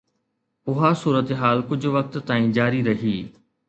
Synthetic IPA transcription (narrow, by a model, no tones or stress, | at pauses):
ʊɦasuːɾət̪eɦaːlkʊd͡ʑʱʋɐk̚t̪ːãːĩːd͡ʑaːɾiɾɐɦiː